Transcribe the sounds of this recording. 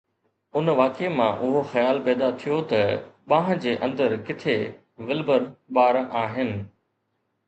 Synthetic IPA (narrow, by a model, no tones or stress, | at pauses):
ʊnʋaːkemãʔʊɦoxɐjaːlpɛːd̪at̪ʰijot̪ɐɓãːɦə̃̆d͡ʑeːʔɐ̃nd̪əɾkɪt̪ʰe | ʋɪlbəɾɓaːɾaːɦɪnɪ̆